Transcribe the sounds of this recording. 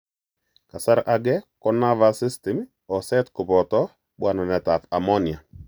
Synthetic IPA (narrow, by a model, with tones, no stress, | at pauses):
ka˨sa˦ɾʔa˨ɡɛ˦kɔ˦na˦va˦sɪ˦stɛ˨m | ɔ˨sɛ˦tkʊ˨pɔ˨tɔ˦ | ɓwa˦˨nɔ˨nɛ˨ta˨fa˨mɔ˦ni˨a˨